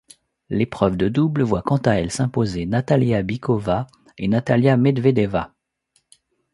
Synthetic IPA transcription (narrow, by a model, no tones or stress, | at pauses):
lepχœvd̪əd̪ublvwakɑ̃t̪aɛlsɛ̃pozenat̪aljabikʰɔva | enat̪aljamed̪ved̪ɛva